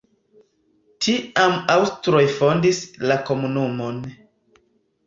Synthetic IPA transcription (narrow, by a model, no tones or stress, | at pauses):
tiamawstɾojfo̞ndislako̞munumo̞n